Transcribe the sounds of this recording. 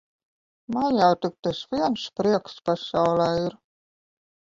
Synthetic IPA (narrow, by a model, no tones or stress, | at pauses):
majawt̪ɨk̚t̪asvʲiɛnspɾiɛkspasawlˠɛːiɾ